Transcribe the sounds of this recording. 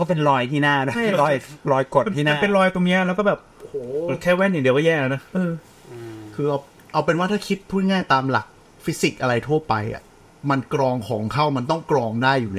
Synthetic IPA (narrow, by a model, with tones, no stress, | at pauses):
kʰɔ˥˩pe˧nlɔː˧jt̪ʰiː˧˩naː˥˩˧a˥˩lɔː˧jlɔː˧jko˨˩t̪nʰiː˧naː˥˩pe˧nlɔː˧jt̪o˧ni˦˥ɐlːkɔː˥˩bɛː˨˩p̚ʔo˧hoː˨˩˧kʰɛː˥˩wɛː˥˩njdi˦əkɔ˥˩jɛː˥˩la˧na˦˥ʔɯː˧ | kʰɯː˧ʔa˧w | ʔa˧wpe˧nwaː˥˩t̪ʰaː˥˩kʰi˦˥t̪̚pʰuː˥˩t̪̚ŋaː˥˩jt̪aː˧mla̰˨˩k̚ | fi˦˥si˨˩k̚ʔa˧ɾa˧jt̪ʰu˥˩ɐpa˧jʔa̰˨˩ | ma˧nkɾɔː˧ŋkʰɔː˩˦ŋkʰa˥˩wma˧nt̪ɔ˥˩ŋkɾɔː˧ŋdaː˥˩jːuː˨˩lɛː˦˥